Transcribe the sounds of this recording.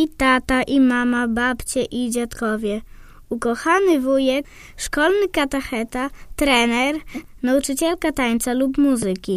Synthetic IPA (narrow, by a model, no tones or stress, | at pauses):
it̪at̪aʔimamabapt͡ɕɛʔid͡ʑat̪kɔvʲjɛ | ukɔxanɘvujɛk | ʂkɔlnɘkat̪ɛxɛt̪at̪ɾɛnɛɾ | naut͡ʂɘt͡ɕɛlkat̪aɲt̪salupmuzɘkʲi